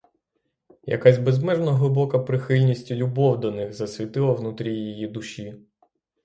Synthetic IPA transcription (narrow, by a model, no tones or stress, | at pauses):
jɐ̰kazʲbezmɛʒnɐɦlˠɪbɔkɐpɾɪxɪlʲnʲisʲtʲilʲʊbɔwd̪ɔnɪɣzɐsʲʋʲit̪ɪlˠɐwnut̪ɾʲijijid̪ʊʃʲi